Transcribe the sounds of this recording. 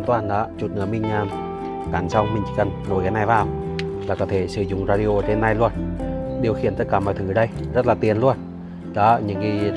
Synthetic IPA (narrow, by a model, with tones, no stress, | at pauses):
nt̪waː˧˩nɗɔ˨˧˦t͡ɕu˨˩t̚nɨ˨˧˩əmï˧˩ŋ̟aː˧m | ka˨˩nsa˧wmï˨˩ŋ̟t͡ɕḭ˧˩kə˨˩nŋo˨˩jkaː˨˦na˧jvaː˨˩w | laː˨˩kɔ˨˦t̪ʰe˧˩sɨ˧˩˦zʊ̰˨˧˨ŋ͡mzaː˧ɗi˧o˧˩t͡ɕe˧nːa˧jlu˧ənɗi˨˩əwxi˨˩ənt̪ə˦t̚kaː˧˩mɔ̰˧˨jt̪ʰɨ˧˨˦ɗə˧jzt̚laː˨˩t̪i˨˩ənlu˧ən | ɗɔ̰˨˦ɲɨ̰˧˥ŋki˧